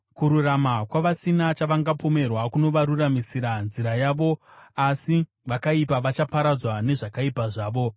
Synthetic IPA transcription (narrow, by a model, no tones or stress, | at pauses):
kuɾuramakwaʋasinat͡ʃaʋaŋɡapo̞me̞rwakuno̞ʋaɾuramisiɾanziɾajaʋo̞asi | ʋakaipaʋat͡ʃapaɾad͡zwane̞ʐakaipaʐaːʋo̞